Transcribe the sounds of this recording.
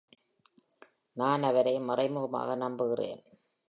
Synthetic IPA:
naːnɐʋɐɾɐɪmɐrɐɪmɯɣɐma̰ːɣɐnɐmbɯɣɪrḛːn

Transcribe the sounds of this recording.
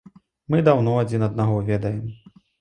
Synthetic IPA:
mɨd̪awnɔad͡zʲinɐd̪̚naɣɔvʲɛd̪ɐjɛm

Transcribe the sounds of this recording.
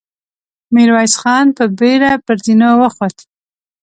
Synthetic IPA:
miɾwɑjsxɑnpəbeɾapəɾzinowəxot̪

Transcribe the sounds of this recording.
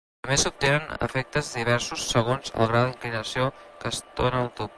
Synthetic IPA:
t̪əmbesup̚t̪enənə̰fɛk̚t̪əzðiβ̞ɛɾsusːəɣ̞onzə̰lˠɣɾawðiŋklinəsiokəst̪onəːlˠt̪up̚

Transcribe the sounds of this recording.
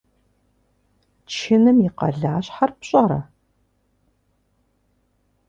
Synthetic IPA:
t͡ʃʰɪnɨmjiqɐ̰ɮaːɕħarpɕʼɐɾɐ̰

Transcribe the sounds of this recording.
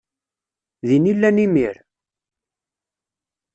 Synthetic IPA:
ðinilːænimiɾ

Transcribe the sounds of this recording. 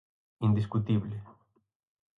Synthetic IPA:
ind̪is̬kut̪iβle

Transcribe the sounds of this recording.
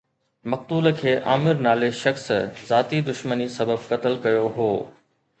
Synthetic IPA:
mɐq̚t̪uːləkʰeːʔa̰ːmɪɾnaːleʃɐxszaːt̪id̪ʊʃmənisɐbəb̚kɐt̪əlkɐjoɦoː

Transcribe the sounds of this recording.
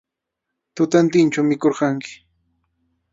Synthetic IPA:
t̪ʊt̪ant̪ɪnt͡ʃawmɪkoɾɢɑŋkɪ̥

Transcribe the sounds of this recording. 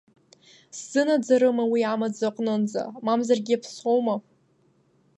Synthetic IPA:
sz̥ɨnad͡zaɾɨmawiamad͡zaqʼnɨnd͡za̰mamzarɡʲiapʰsowma

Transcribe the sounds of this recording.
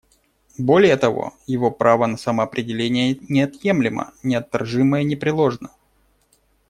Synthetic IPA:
bo̞lʲɪjət̪ɐvo̰jɪvo̞pɾʔavənəsəməɐpɾʲɪdʲɪlʲenʲɪjənʲɪɐt̪je̞mlʲɪmə̰nʲɪɐt̪ːɐ̰rʐɨməjənʲɪpɾʲɪlˠo̞ʐnə

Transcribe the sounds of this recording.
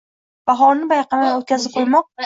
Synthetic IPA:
b̥aɦɒnɪbajqɑmaot̪̚kʲʰazɪp̚qʰojmɒq̚

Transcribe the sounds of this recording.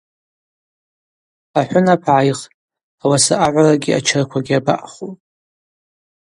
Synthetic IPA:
aħʷᶣʊnapʰʕajχ | awasaʔaʕʷaraɡʲia̰t͡ʃʰarkʷʰaɡʲiaba̰ʔχupʼ

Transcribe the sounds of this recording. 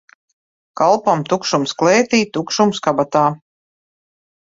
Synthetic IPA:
kalˠpamt̪ukʃumsklɛːt̪iːt̪ukʃumskabat̪aː

